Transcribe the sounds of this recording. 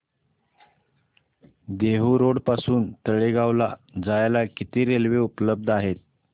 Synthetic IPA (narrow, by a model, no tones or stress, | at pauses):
d̪eɦuɾoɽpasuːnt̪əɭeɡaʋlad͡zajalakit̪iːɾelʋeupləb̚d̪ʱaɦet̪̚